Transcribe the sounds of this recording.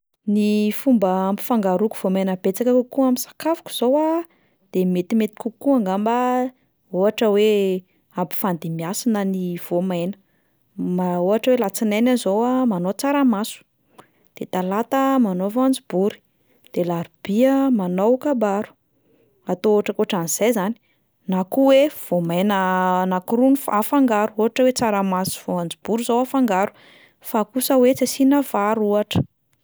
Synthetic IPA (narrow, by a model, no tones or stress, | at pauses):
nifumbəampi̥faŋɡaɾuku̥v̥omajnəbet͡sakəkukuamisḁkavu̥kʲu̥z̥owa | d̪̥emet̪imet̪i̥kukuaŋɡamba | oɦaʈ͡ʂəwe | ampi̥fand̪imiasinəniv̥omajnə̥ | maoaʈ͡ʂəwelat͡sinajnanzowamanot͡saɾamasu̥ | d̪̥et̪alat̪əmanovand͡zibuɾi̥ | d̪̥elaɾub̥iəmanowkabaɾu̥ | at̪ooʈ͡ʂəkoʈ͡ʂaniz̥ajzani̥ | nakuwev̥omajnənakuɾunifafaŋɡaɾuoɦaʈ͡ʂəwet͡saɾamasu̥v̥oand͡zib̥uɾuzowafaŋɡaɾu̥ | fakusəwet͡sasinəv̥aɾuaʈ͡ʂə̥